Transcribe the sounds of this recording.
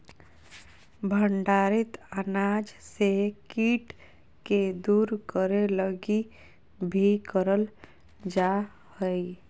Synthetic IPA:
bʱəɳɖaɾit̪ənad͡ʒsekiʈ | ked̪uɾkəɾeləɡi | bʱikəɾəl | d͡ʒa | həj

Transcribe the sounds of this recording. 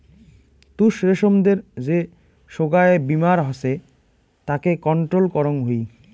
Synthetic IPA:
t̪uʃɾeʃomd̪eɾd͡ʑe | ʃoɡaeebimaɾɦɔse | t̪akekɔɳʈɾolkɔɾoŋɦoj

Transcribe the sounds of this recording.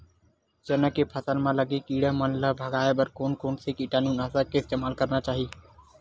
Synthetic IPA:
t͡ʃənəkeːpʰəsəlmãːləɡiːkiːɽə̃ːmənləbʱəɡaːeːbəɾkoːnkoːnseːkiːʈaːnũːnaːsakɪst̪eːmaːlkəɾnaːt͡ʃaːɦiː

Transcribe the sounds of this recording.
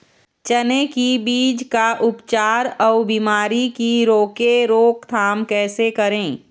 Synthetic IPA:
t͡ʃənekibiːd͡ʒkaʔʊpt͡ʃaːɾɔːbiːmaːɾikiɾoːkeɾoːkt̪ʰaːmkɛːsekɐɾẽː

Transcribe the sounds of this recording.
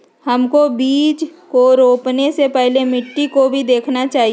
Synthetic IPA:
hɐmkobiːd͡ʒkoɾoːpnesepɛɦlemɪʈːikobʱid̪eːkʰnat͡ʃaːɦi

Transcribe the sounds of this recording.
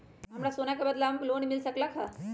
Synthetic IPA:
ɦamɽasonakabəd̪laaməklonmilsəklakʰa

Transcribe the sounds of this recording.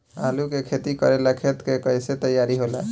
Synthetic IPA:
a̰lukekʰet̪ikʌ̰ɾelakʰet̪kekʌjset̪əjaɾiɦola̰

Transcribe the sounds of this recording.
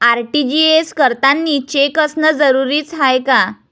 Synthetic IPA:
aɾʈid͡ʑieskəɾt̪anːiːt͡ɕekəsnəd͡zəɾuɾiːt͡sɦajka

